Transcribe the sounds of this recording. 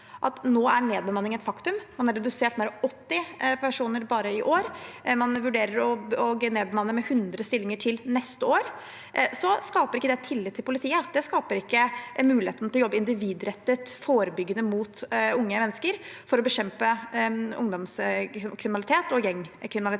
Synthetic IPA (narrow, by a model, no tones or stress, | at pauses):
ʔɑt̪noːæɳeːd̪̚bəmɑnːɪŋɛt̪fɑkt̪ʉmmɑnhɑɖɛd̪ʉseːʈmeːɾɔmɔt̪ːɪpʰæʂuːnəɾbɑːɾəɪʔoːɾmɑnʋʉɖeːɾəɾɔɔɡneːd̪bəmɑnːəɾmɛhʉnd̪ɾəst̪ɪlːɪŋəʈʰɪlnɛst̪əoːɾ | sɔskɑːpəɾɪkːəd̪ɛt̪ʰɪlːɪt̪ʰːɪlpʰʊlɪt̪ʰiːəd̪̥ɛskɑːpəɾɪkːəmʉːlɪheːt̪n̩ɪlɔjɔbːəɪnd̪ɪʋiːd̪ɾɛt̪ːət̪foːɾəbʏɡːənəmuːt̪ʊŋːəʋɛnːəskəɾfɔɾɔbəɕɛmpəʊŋd̪ɔmskʰɾɪmɪnɑlɪt̪ʰeːt̪ɔjɛŋːkʰɾɪmɪnɑlɪ